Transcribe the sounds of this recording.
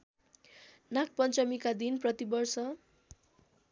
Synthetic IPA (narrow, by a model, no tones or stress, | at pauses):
nak̚pʌnt͡sʌmikad̪inprʌt̪ibʌrsʌ